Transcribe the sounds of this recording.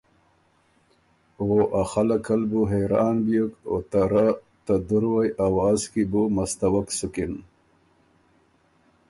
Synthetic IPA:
oʔaxalakʰalbuɦeɾɑːnbijuko̰t̪aɾa | t̪ad̪uɾwajʔawaːzkibumast̪awaksukin

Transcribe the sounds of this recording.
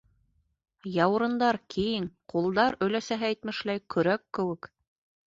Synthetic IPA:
jɑw̆ɾɤ̆nd̪ɑɾkʰijɘŋqulˠd̪ɑɾɵ̆jlæsæɦææjt̪mɘ̆ʃlæjkʰɵ̆ɾækːɘ̆wɘk

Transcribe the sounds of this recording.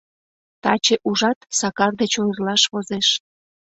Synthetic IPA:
t̪ɑt͡ɕeʔuʒɑt̪sɑkɑrd̪et͡ɕonrlɑʃβozeʃ

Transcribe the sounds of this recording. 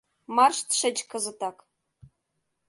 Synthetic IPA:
mɑrʂt̪ʂɘ̆t͡ɕkɤ̆zɤ̆t̪ɑk

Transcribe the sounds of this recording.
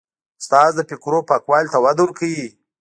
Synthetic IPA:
st̪ɑːzd̪əpikɾopɑːkwɑːlʲt̪awad̪uɾkʰəji

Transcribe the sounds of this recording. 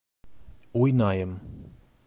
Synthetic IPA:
ujnaːjam

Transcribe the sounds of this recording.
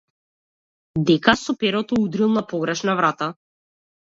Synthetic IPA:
d̪ɛkasɔpɛɾɔt̪ɔud̪ɾilˠnapɔɡɾɛʃnavɾat̪a

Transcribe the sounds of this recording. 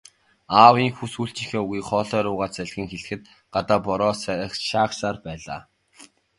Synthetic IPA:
aːwiːŋxusxuɬt͡ɕixeːuɣiːkχɔːɮœːɾʊːʁaːt͡sæɮxʲiːŋxeɮ̆xɘ̆t̪̚ | ɢ̥at̪aːpɔɾɔːs̆χʃaːχsaːrpæːɮa̰ː

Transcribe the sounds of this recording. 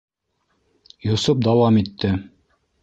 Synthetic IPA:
jŏsop̚d̪ɑwɑmit̪ːɘ

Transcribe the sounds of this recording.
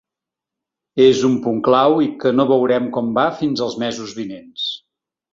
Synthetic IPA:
ezumpuŋklawikənoβəwɾɛmkɔmbafinzəlˠzmɛzuzβinens

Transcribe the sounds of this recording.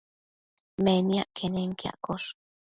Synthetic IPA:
menijaʔkʰeneŋkja̰ʔkoʂ

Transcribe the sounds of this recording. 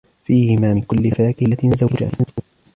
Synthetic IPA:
fiːhɪmaːmɪnkʊlːɪfaːkɪlat̪ɪnzad͡ʒa̰ːʔɪnz

